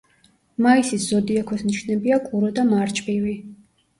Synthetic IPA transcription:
maisisz̥ɔd̪iɛkʰɔsniʃnɛbiakʼuɾɔd̪amaɾt͡ʃʼbʼivi

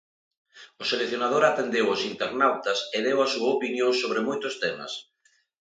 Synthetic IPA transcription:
ʊselekθjonað̞oɾat̪end̪ewʊsint̪eɾnawt̪ɐsɪðewasuaopinjõŋsoβɾɪmojt̪ʊst̪emɐ̰s

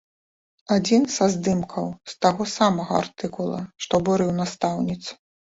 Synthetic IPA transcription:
ad͡zʲinsazd̪ɨmkʰɐwst̪aɣɔsamɐɣɐ̰a̰rt̪ɨkulˠɐ̰ʂt̪ɔbuɾɨwnast̪awnʲit̪s

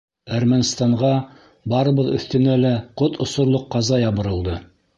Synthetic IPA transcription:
æɾmænst̪ɑɴʁɑ | bɑɾɤ̆βɤðɵ̆θt̪ɘ̆nælæqot̪ŏsŏɾlˠoqːɑzɑjɑβɤ̆ɾɤ̆lˠd̪ɤ

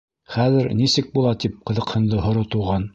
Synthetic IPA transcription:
χæðɘɾnisɘk̚bulˠɑt̪ip̚qɤ̆ðɤ̆qhɤ̆nd̪ɤɦŏɾot̪ŭʁɑn

